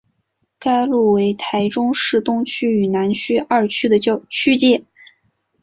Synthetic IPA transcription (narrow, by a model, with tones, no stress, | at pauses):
ka˥ɪlu˥˩we˧˥ɪt̪ʰa˧˥ɪʈ͡ʂʊ˥ŋʂɻ̩˥˩t̪ʊ˥ŋt͡ɕʰy˥y˨˩na˧˥nt͡ɕʰy˥a˞˥˩t͡ɕʰy˥d̪ə˨t͡ɕt͡ɕʰy˥t͡ɕjɛ˥˩